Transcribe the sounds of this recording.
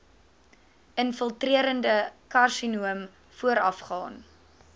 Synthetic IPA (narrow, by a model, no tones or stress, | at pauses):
ənfəlˠtriəɾəndəkɐrsinuəm | fuəɾɐfχɑːn